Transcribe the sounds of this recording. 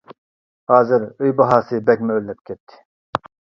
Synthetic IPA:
hɑːzɨɾøjbɑɦɑːsɨbɛkʲmɛølːɛp̚kʲʰɛt̪ʰːɪ̥

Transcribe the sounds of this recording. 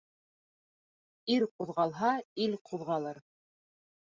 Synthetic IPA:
iɾquðʁɑlˠɦɑilqʰuðʁɑlˠɤɾ

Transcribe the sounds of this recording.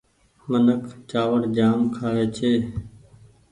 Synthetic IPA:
mənəkʰt͡ʃaːʋəɽd͡ʒaːmkʰaːeːt͡ʃʰeː

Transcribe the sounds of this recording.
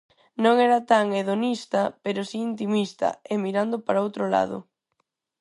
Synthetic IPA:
nõŋɛɾat̪aŋeðonist̪ɐpeɾʊsiːnt̪imist̪ɐ̰emiɾand̪ʊpaɾaowt̪ɾola̰ðʊ̰

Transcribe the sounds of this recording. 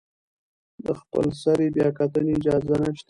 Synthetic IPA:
d̪əxpə̰lsaɾebjɑkat̪əneːd͡ʒɑzanəʃt̪a

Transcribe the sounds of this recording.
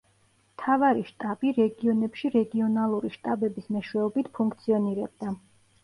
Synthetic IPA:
mt̪ʰavaɾiʃt̪ʼabiɾɛɡiɔnɛpʃiɾɛɡiɔnalˠuɾiʃt̪ʼabɛbismɛʃwɛɔbit̪ʰpʰuŋk̚ʰt̪sʰiɔniɾɛb̚d̪a

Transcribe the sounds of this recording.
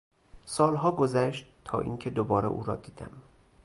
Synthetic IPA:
sɒːlɦɒːɡozæʃt̪t̪ʰɒ̰ːʔḭːŋcʰe̞d̪obɒːɾḛʔṵːɾɒːd̪iːd̪̥æ̰m

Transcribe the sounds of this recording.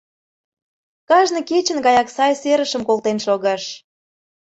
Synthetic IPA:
kɑʒnɤ̆ket͡ɕə̆nɣɑjɑksɑjseɾə̆ʃə̆mkolt̪enʃoɣɑʃ

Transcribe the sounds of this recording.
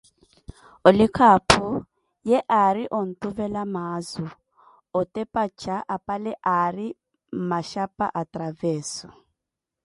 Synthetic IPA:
olikʰapʰu | jɛʔaɾiʔɔn̩tʼuvɛlamaːzu | ɔtʼɛpʼat͡ʃʰaʔapʼalɛʔaɾi | m̩maʃapʼa̰ʔatʼɾavɛːsɔ

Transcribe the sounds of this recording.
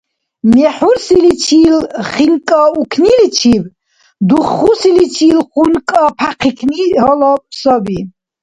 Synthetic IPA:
mɛħuɾsilit͡ʃʰiːlχiŋkʼɔukʰnilit͡ʃʰiv | d̪uχːusilit͡ʃʰiːlχunkʼɔpʰaqʰikʰnihɔlɔpʰsɔbi

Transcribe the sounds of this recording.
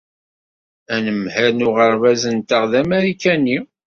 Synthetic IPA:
ænəmhæɾnuʁəɾvæzənt̪əʁðæmæɾikænːi

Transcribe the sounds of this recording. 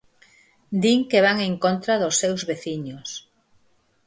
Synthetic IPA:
d̪iŋkeβaŋeŋkont̪ɾaðʊsːewzβeθiɲos

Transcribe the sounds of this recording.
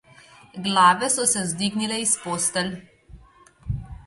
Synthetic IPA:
ɡlaːʋɛsɔsɛzd̪iɡnilɛispoːst̪ɛl

